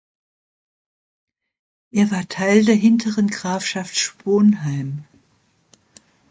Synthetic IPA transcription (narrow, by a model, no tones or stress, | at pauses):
ʔeːɐvaːɐtʰaɪldeːɐɦɪntʰəʁənɡʁaːfʃaftʃpoːnɦaɪm